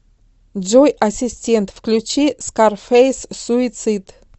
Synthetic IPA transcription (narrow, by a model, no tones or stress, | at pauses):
d͡ʒojʔɐsʲɪsʲtʲent̪fklʲʉt͡ɕiskarfejssʊɪt̪sɨt̪